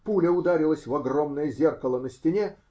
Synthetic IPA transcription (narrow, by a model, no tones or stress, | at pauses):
pulʲəʊd̪aɾʲɪlˠəsʲvɐɡro̞mnəjəzʲerkəlˠənəsʲtʲɪnʲe